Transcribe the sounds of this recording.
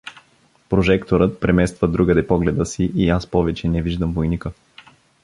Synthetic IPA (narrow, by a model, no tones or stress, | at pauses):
pɾoʒɛkt̪oɾət̪̚pɾɛmɛst̪vəd̪ɾuɡəd̪ɛpɔɡlɛd̪əsiʔiaspɔvɛt͡ʃɛnɛviʒd̪əmvojnikə